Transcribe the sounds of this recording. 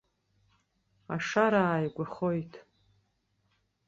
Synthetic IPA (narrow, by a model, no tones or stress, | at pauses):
aʂaɾaːjɡʷaχojtʰʼ